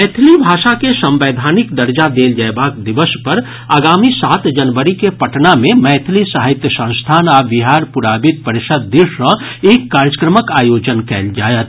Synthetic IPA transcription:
mɛːt̪ʰlibʱaːʃakesə̃mʋeːd̪ʱaːnɪkd̪əɾd͡ʒad̪eːld͡ʒaebaːkd̪ɪʋəspəɾ | aːɡaːmisaːt̪d͡ʒɐnʋəɾikepɐʈnamẽmɛːt̪ʰlisaɦɪt̪jəsə̃ñst̪ʰaːnaʋɪɦaːɾpʊɾaːbɪd̪̚pəɾɪʃəd̪ːɪʃɾə̃eːkːaːɾjəkɾəməkaːjoːd͡ʒənkɛ̰ːld͡ʒa̰ːjət̪

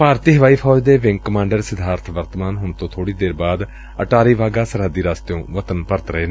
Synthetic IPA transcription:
paːɾt̪iːɦəʋaːiːpʰɔːd͡ʒd̪eːʋɪŋɡkəmãːɳɖəɾsɪd̪ʱaːɾt̪ʰʋəɾt̪əmaːnɦʊɳt̪õːt̪ʰoːɽiːd̪eːɾbaːd̪ | əʈaːɾiːʋaːɡaːsəɾɦəd̪iːɾaːst̪jõːʋət̪ənpəɾt̪ɾəɦeːn

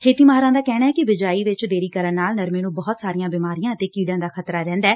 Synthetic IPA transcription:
kʰeːt̪iːmaɦɾãːd̪aːkɛːɽ̃aːɛːkɪʋɪd͡ʒaːiːʋɪt͡ʃd̪eːɾiːkəɾənnaːlnəɾmeːnũːbɔːt̪saːɾɪjãːbɪːmaːɾijãːət̪eːkiːɖãːd̪aːkʰət̪ɾaːɾɛ̃ːnd̪aː

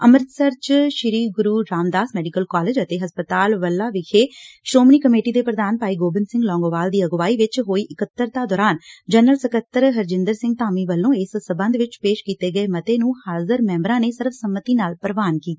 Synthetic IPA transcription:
əməɾt̪səɾt͡ʃʃɪɾiːɡʊɾuːɾaːmd̪aːsmɛːɖɪkəlkɔːled͡ʒət̪eːɦəspət̪aːlʋəlːaːʋɪkʰeːʃoːmniːkəmeːʈiːd̪eːpɾəd̪aːnpaːiːɡoːbɪnsɪ̃ŋɡlɔ̃ːŋɡoːʋaːld̪iːəɡʋaːiːʋɪt͡ʃɦoːiːʔɪkət̪ːəɾt̪ãːd̪ɔːɾaːnd͡ʒənəlsəkət̪ːəɾɦəɾd͡ʒɪ̃nd̪əɾsɪ̃ŋɡ̚t̪aːmiːʋəlːõːɪssəbə̃nd̪ʋɪt͡ʃpeːʃkiːt̪eːɡəeːmət̪eːnũːhaːzəɾmɛ̃ːmbɾãːneːsɪɾfsəmːət̪iːnaːlpəɾʋaːnkiː

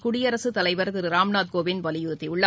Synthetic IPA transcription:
kʊɽɪjɐɾɐsɯt̪ɐlɐɪʋɐɾt̪ɪɾɯɾaːmnaːt̪̚koːʋɪnʋɐlɪjʊɾt̪ːɪʊɭːɐ

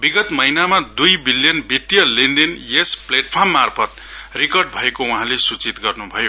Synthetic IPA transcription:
biɡʌt̪mʌjnamad̪ujbiljʌnbit̪jʌlind̪injespleʈ̚pʰʌrmːarpʰʌt̪̚ | rikʌrɖbʱʌekouɦãlesut͡sit̪ɡʌrnubʱʌjo

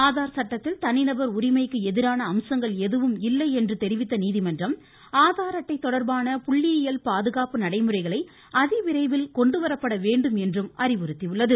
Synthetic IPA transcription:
aːðaːɾɐsɐʈːɐt̪ːɪlt̪ɐnːɪnɐbɐɾʊɾɪmɐɪkːɯɛðɪɾaːnɐːmsɐŋɡɐɭɛðɯʋɯmɪlːɐɪɛndrɯt̪ɛɾɪʋɪt̪ːɐniːðimɐndrɐm | aːðaːɾɐʈːɐɪt̪ːɔɽɐɾbaːnɐpʊɭːɪjɪjɐlpaːðɯɣaːpɯnɐɽɐɪmɯrɐɪɣɐɭɐɪ | ʔɐðɪʋɪɾɐɪʋɪlkɔɳɖɯʋɐɾɐpːɐɽɐʋeːɳɖɯmɛndrɯmʔɐrɪʋɯɾɯt̪ːiʋɯɭːɐðɯ

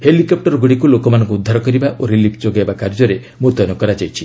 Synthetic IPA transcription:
helikɔp̚ʈɔɾɔɡuɽikulokɔmanɔŋkuːd̪ʱːaɾɔkɔɾibaʔʔoɾilipʰd͡ʒoɡaebakaɾd͡ʒɔɾe | mũt̪ɔnɔkɔɾad͡ʒajt͡ʃʰi

